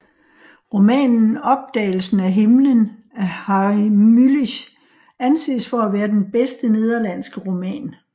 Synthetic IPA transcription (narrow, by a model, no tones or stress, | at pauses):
ʁo̝mɛ̰ːnn̩ɒ̽b̥̚d̥ɛ̰ːɪl̩sn̩æɦe̝mlən | æhɑimyliɕ | ænse̝̰ːsfɒ̽æʋæːɐd̥enb̥esd̥əne̝ð̞ˠɐlæn̰sɡ̥əʁo̝mɛ̰ːn